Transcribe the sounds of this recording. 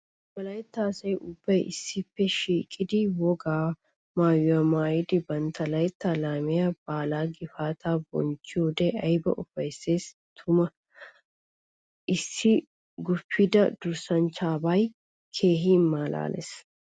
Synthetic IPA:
bɐlɐjt̪ːaːsɐjʔʊb̥ːɐjʔɪsːɪpːɛʃiːkʼɪd̪ɪwɔɡaː | maːjʊɐmaːjɪd̪ɪbɐnt̪ɐlɐjt̪ːalaːmɪjab̥aːlaːɡɪfaːt̪ʰaːbɔ̰nt͡ʃːɪoːd̪ɛʔɐjbɐ̰ʔʊfɐjsːe̞ːs | t̪ʰʊmɐ | ʔɪsːɪ | ɡʊfːɪd̪ɐd̪ʊɾsɐnt͡ʃaːbaj | kʰe̞ːɦiːnmːaːla̰ːlɛ̰s

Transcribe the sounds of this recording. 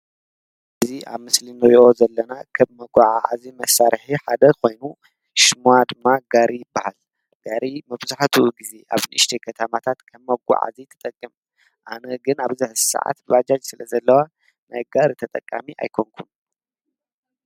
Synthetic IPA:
ʔʔɨziʔa̰βmɨslinɐwiʔozɐlːɐnakʰɐβmɐɡʷaʕaa̰zimɐsːaɾħiħad̪ɐkʰo̞jnu | ʃmuad̪ɨmːaɡaɾijbːahal | ɡ̥aɾimɐβzaħt̪ʰuɡize̞ʔa̰βnɨʔɨʃt̪ʰekʰɐt̪ʰɐmat̪ʰat̪kʰɐβmɐɡʷa̰ʕa̰zit̪ʰɐ̥t̪ʼɐkʼːɨm | ʔa̰nɐɡɨnaβzɨħsa̰ʕa̰t̪βad͡ʒad͡ʒsɨlɐzɐlːɐwa | najɡaɾit̪ʰɐt̪ʼɐkʼːamiʔa̰jkʰoŋkʰun

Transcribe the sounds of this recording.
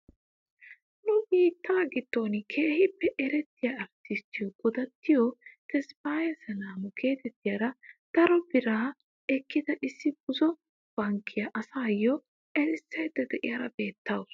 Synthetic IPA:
nʊbiːt̪ːaːɡɪt̪ːoːnɪkʰeːhɪpːɛʔɛɾɛt̪ːɪjɐɐɾt̪ɪst̪ɪjɔɡ̥ʊd̪ɐt̪ːɪjɔt̪ɛspaːjɐsɐnaːmʊkʰe̞ːt̪ɛt̪ːɪjɐːɾɐd̪̥ɐɾɔbɪɾaː | ɛkːɪd̪ɐʔɪsːɪb̥ʊzɔ | b̥ɐŋkːɪjɐʔɐsaːjːɔ | ɛɾɪsːɐjd̪ɛd̪ɛʔɪjɐɾɐbeːt̪ʰːaːws

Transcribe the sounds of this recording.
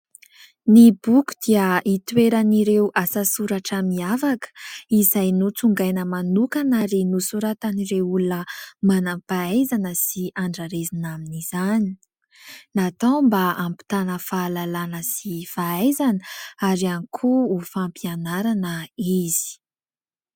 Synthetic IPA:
nibuku̥d̪̥iəʔit̪weɾaniɾewʔasasuɾaʈ͡ʂəmiavakə̥izajnut͡suŋɡajnəmanukanaɾinusuɾat̪aniɾewulunəmanampaajzanəsiʔaɳɖ͡ʐaɾezinaminiz̥ani̥ | nat̪ambaampi̥t̪anəfaːlalanəsifaajzanəaɾianikʰuːfampianaɾanəiz̥i̥

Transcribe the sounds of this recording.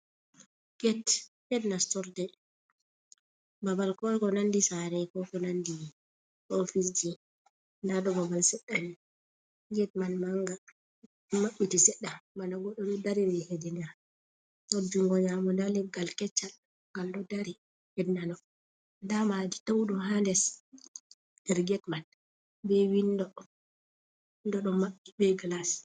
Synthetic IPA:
ɡ̥ɛthɛdnastɔɾdɛ | babalkɔkɔnandisaɾɛkɔkɔnandi | ʔofis̬d͡ʒi | ndaɗɔbabalsɛɗːani | ɡɛt̚manmaŋɡa | maɓːitisɛɗːamandaɡɔɗɔɗɔdaɾiwɛhedinɡa | ɔd͡ʒuŋɡɔɲamɔndalɛɡalkɛt͡ʃːal | ŋɡaldɔdaɾi | hɛdnanɔ | ndamaditawɗɔɦandɛs | dɛɾɡɛtman | bɛwindɔ | ndɔɗɔmaɓːibɛɡlas

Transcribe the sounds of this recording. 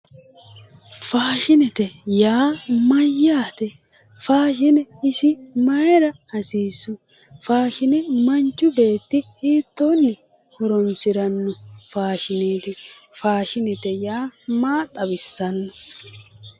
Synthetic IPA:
faːʃɪnɛt̪ɛjaːmɐjːaːt̪ɛ | faːʃɪnɛɪsɪmɐjɛɾɐ | ɐsiːsːʊ | faːʃɪnɛmɐnt͡ʃːʊbe̞ːt̪ːɪhiːt̪ːoːnːɪ | hɔɾɔnsɪɾɐnːɔfaːʃɪneːt̪ɪ | faːʃɪnɛt̪ɛjaːmaːt̪ʼɐbɪsːɐnːɔ

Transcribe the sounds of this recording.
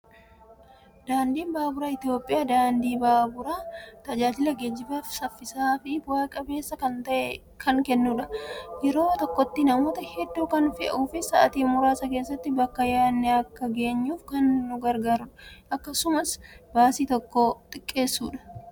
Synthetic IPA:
d̪̥aːnd̪iːnbaːbʊɾaːɪt̪ɪjo̞ːpʼːɪjaːd̪aːnd̪iːbaːbʊɾaːt̪ɐd͡ʒaːd͡ʒɪlɐɡɛd͡ʒːɪbafsɐfːɪsaːfɪwaːkʼɐbe̞ːsːɐkɐnt̪ɐʔɛ | kʰɐŋkɛnːuːᶑɐjɛɾo̞ːt̪ɔkːɔt̪ːɪnɐmo̞ːt̪ɐhɛd̪ːuːkɐnfɪʔɐ̰uːfɪsɐʔɐt̪iːmʊɾaːsɐke̞ːsːɐt̪ːɪbɐkːɐjaːnːɛɐkːɐɡe̞ːɲːuːfkɐnːʊɡɐɾɡaːɾʊᶑɐ̥ʔɐkːɐsʊmɐsbaːsiːt̪ɔkːot̪ʼɪkʼːe̞ːsːṵːᶑɐ̥

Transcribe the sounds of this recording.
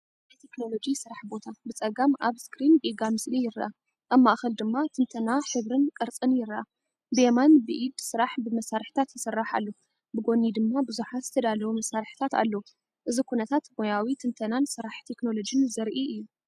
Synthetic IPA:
ajt̪ʰekno̞lo̞d͡ʒisɨɾaħbo̞t̪ʰabɨt͡sʼɐɡamʔaβskɾinɡiɡamɨslijɪɾʔa | ʔaβmaʔxɐld̪ɨmːat̪ʰɨnt̪ʰɐnaħɨβɾɨnkʼɨɾt͡sʼɨnjɪɾːʔa | bɨemanbɨʔid̪sɨɾaħbɨmɐsaɾħi̥t̪ʰat̪jɪsɨrːaħa̰lːo | bɨɡo̞nid̪ɨmːabɨzuħat̪zɨt̪ʰɐd̪alɐwumɐsaɾħi̥t̪ʰat̪a̰lːo | ʔɨzikʰunɐt̪ʰat̪mo̞jawit̪ʰɨnt̪ʰɐnansɨɾaħt̪ʰe̞kno̞lo̞d͡ʒɨnzɐɾʔiʔɨjːu

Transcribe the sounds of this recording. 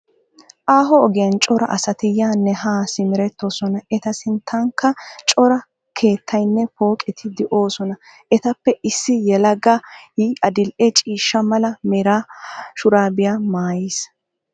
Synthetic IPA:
ʔaːɦɔːɡɪjɐnt͡ʃʼɔɾɐ̰ʔɐsɐt̪ɪjaːnːɛhaːsɪmɪɾɛt̪ːo̞ːsɔnɐɛt̪ɐsɪnt̪ʰːɐŋkːɐt͡ʃʼɔɾɐ | kʰe̞ːt̪ʰːɐjnːɛpo̞ːkʼɛt̪ʰɪd̪ɛʔo̞ːsɔnɐ | ʔɛt̪ɐpːɛʔɪsːɪjɛlɐɡaiɐd̪ɪlʔɛt͡ʃʼiːʃːɐmɐlɐmɛɾaːʃʊɾaːbɪjaːmaːjis

